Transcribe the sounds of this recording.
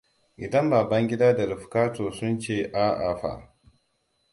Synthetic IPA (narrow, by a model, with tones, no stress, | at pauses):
ʔɪ˨dɐ˦mbaː˨bɐ˦ŋɡʲɪ˦daː˦da˨lɪ˨ɸkaː˦toː˨sʊ˦nt͡ʃeː˦˨ʔaː˦ʔa̰˨ɸa̰˨ʔ